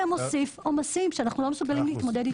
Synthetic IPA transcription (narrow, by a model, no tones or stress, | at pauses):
emosifomasimʃeanaχnulo̞mesuɡalimleːt̪mo̞d̪e̞d̪i